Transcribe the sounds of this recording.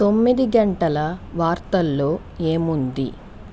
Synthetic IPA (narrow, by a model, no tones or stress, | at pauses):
t̪o̞mːid̪iɡɐɳʈɐlɐʋaːɾt̪ɐlːo̞ː | eːmund̪ḭ